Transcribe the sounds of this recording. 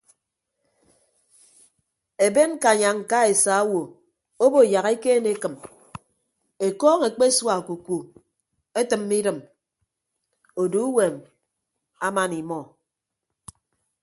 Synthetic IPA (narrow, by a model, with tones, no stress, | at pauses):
e˨be˦n˦ka˨ɲa˨ŋ̩˨ka˦e˨sa˨˦wo˨ | o˦bo˨ja˨ɣe˦keː˦ne˨˦kɨ˨m | e˨kɔː˦ŋe˨k͡pe˦swa˨ku˨ku˨ | e˦tɨ˨mːi˦ɾɨ˨m | o˨do˨˦u˦we˨m | a˦ma˦ni˨mɔ˦